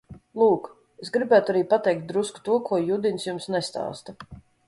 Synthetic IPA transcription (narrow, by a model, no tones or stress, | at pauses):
lˠuːk | esɡɾibæːt̪uaɾiːpat̪ɛjk̚t̪̚d̪ɾusku̥t̪uɔkʰuɔjud̪inʲsjumsnɛst̪a̰ːst̪a